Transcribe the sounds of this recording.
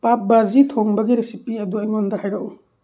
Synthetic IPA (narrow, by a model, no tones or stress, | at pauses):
pap̚bazitʰoŋbɐɡiɾesipiɐduɐjŋondahajɾaʔw